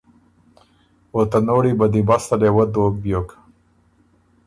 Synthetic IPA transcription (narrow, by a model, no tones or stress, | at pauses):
ot̪anoːɽibad̪ibast̪alewəd̪oːbjok